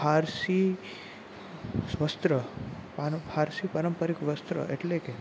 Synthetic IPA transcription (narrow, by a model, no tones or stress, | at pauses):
aɾsi | sʋəst̪ɾəpapʰaɾsipəɾəmpəɾikʋəst̪ɾə̰ʔeʈleke